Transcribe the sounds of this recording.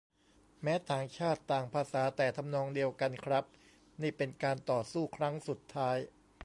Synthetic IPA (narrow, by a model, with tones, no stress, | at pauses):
mɛː˦˥t̪ʰaː˨˩ŋt͡ɕʰaː˥˩t̪ːaː˨˩ŋpʰaː˧saː˩˦t̪ɛː˨˩t̪ʰa˧mnɔː˧ŋdi˧əwka˧nkʰɾa˦˥p̚ | niː˥˩pe˧nkaː˧nt̪ɔː˨˩suː˥˩kʰɾa˦˥ŋsu˨˩t̪ʰːaː˦˥j